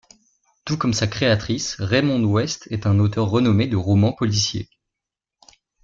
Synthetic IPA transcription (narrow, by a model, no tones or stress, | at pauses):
t̪ukɔmsakχeat̪χisʁemɔ̃d̪wɛst̪ʰɛt̪ɛ̃not̪œʁːənɔmed̪əʁɔmɑ̃pɔlisjḛ